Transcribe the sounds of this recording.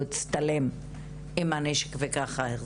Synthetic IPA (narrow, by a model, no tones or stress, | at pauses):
it͡st̪alem | imaneʃe̥kvekaχaeχ